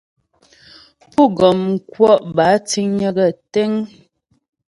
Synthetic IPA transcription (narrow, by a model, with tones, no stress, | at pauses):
pu˦˨ɡɔ˨mŋ˨kwɔ˦ʔba˨˦t͡si˦ŋɲə˦ɡə˦˨tɛ˦ŋ